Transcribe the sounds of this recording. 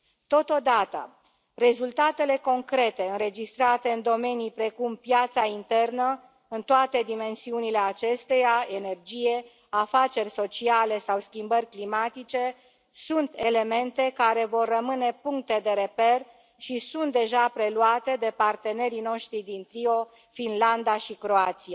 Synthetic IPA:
t̪o̞t̪o̞d̪at̪ə̰ | re̞zult̪at̪e̞le̞ko̞ŋkɾe̞t̪e̞ɨnɾe̞d͡ʒist̪ɾat̪e̞ɨnd̪o̞me̞nipɾe̞kumpjat̪saint̪e̞rnə | ɨnt̪oat̪e̞d̪ime̞nsiunile̞at͡ʃe̞st̪e̞jae̞ne̞rd͡ʒije̞ | afat͡ʃe̞rʲso̞t͡ʃiale̞sawskʲimbərʲklimat̪it͡ʃe̞ | sunt̪e̞le̞me̞nt̪e̞kaɾe̞vo̞rːəmɨne̞puŋk̚t̪e̞d̪e̞ɾe̞pe̞r | ʃisunt̪̚d̪e̞ʒapɾe̞luat̪e̞d̪e̞part̪e̞ne̞ɾino̞ʃt̪ɾid̪int̪ɾio̞ | finland̪aʃikɾo̞at̪sia

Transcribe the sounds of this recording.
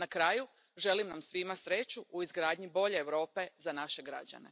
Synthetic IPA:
nakɾaju | ʒe̞limnamsʋimasɾe̞t͡ɕuuizɡɾaːd̪ɲibo̞ʎe̞ːʋɾo̞ːpe̞zanaʃe̞ɡɾa̰d͡ʑa̰ne̞̰

